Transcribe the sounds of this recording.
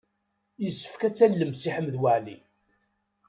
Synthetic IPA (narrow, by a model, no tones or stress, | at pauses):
jəsːə̥fkæt͡sːælːəmsiħəmːðwəʕli